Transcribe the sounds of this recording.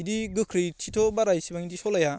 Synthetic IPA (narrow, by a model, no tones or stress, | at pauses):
diɡɯkʰɾitʰitʰobaɾajsibaŋidisolaja